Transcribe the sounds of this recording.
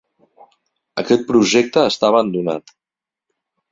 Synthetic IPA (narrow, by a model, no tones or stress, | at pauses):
əkɛt̪̚pɾuʒɛk̚t̪əːst̪aβənd̪una̰t̪